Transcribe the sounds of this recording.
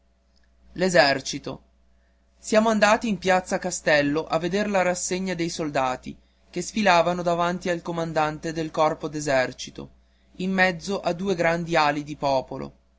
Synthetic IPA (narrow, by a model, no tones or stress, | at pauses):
lezɛrt͡ʃit̪o̰ | sjaːmoand̪aːt̪iːmpjat̪sːakast̪ɛlːoʔavːed̪erlaɾasːeɲːad̪ejsold̪aːt̪ḭ | kesfilaːvanod̪avant̪ialkomand̪ant̪ed̪elkɔrpod̪ezɛrt͡ʃi̥t̪o̰ | imːɛd̪zːoʔad̪uːeɡɾand̪ialid̪ipɔːpolo̰